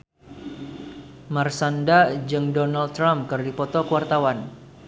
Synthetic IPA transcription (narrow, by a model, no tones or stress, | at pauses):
marsandad͡ʒɨŋdɔnald̚t̪ːɾamkɨrdipɔt̪ɔkəwart̪awan